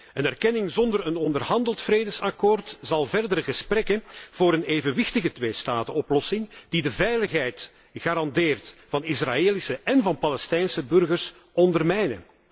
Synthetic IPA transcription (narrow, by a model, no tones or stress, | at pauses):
ənɛrkɛnɪŋzɔndərənɔndərɦɑndəlˠtfreːdəsɑkoːrtzɑlˠvɛrdəɾəɣəsprɛkənv̥oːɾəneːvənʋɪxtəɣətweːstaːtəɔplɔsɪŋd̥idəvɛjləxɦɛjt | ɣaːɾɑndeːrtvɑnɪsra̰eːlisəɛnvɑnpɑlɛstɛjnsəbɵrɣərs | ɔndərmɛjnə̰